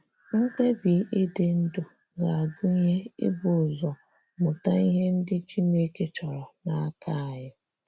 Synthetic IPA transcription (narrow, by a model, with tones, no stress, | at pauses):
ŋ̩˦k͡pe˦bi˨˦ʔɪ˦dɪ˨n̩˦dʊ˨ | ɡa˨a˨ɡʊ˦ɲe˦ɪ̰˦bʊ˨zɔ˨ | mʊ˨ta˦i˦ɦe˦n̩˦dɪ˦t͡ʃi˦ne˦ke˦t͡ʃɔ˨ɾɔ˨na˦a˦ka˦a˨ɦɪ˦